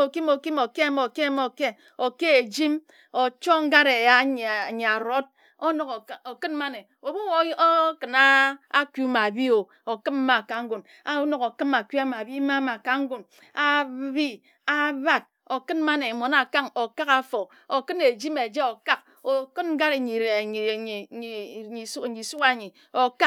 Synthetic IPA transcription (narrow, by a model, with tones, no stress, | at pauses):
o˨ki˦mo˨ki˦mo˨ke˦˨mo˨ke˦mo˨ke˦ | o˨ke˦e˨d͡ʒi˦m | o˨t͡ʃo˦ŋ̩˦ɡa˦ɾe˨ja˦˨ɲa˨ɾo˦t̚ | o˦no˨ko˨kɨ˦nma˦ne˨ | o˨bu˦wo˦kɨ˨na˦a˦ku˦ma˨bi˦o˨ | o˨kɨ˦m˦ma˨ka˨ŋ̩˦ɡu˨n | a˦no˨ko˨kɨ˦ma˨kʷi˦a˦ma˨bi˦ma˦ma˨ka˨ŋ̩˦ɡu˦n | a˦bi˦ | a˦ba˦˨d̚ | o˨kɨ˦nma˦ne˨mo˨na˨ka˦ŋo˨ka˦ka˨fo˨ | o˨kɨ˦ne˨d͡ʒi˦me˨d͡ʒe˦o˨ka˦k̚ | o˨kɨ˦nŋ̩˦ɡa˦ɾe˨ɲi˨ɾe˨˦ | i˨˦˨i˨su˦ka˨ɲi˨ | o˨ka˦